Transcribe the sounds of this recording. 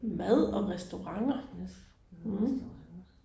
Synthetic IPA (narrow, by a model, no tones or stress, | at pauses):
mæð̰ˠɒ̽ʁɛsd̥oʁɑ̈ŋɐ